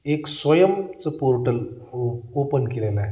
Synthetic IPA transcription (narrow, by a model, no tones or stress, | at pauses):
eksʋɐjɐmt͡sɨpoːɾʈɐl | oːpənkelela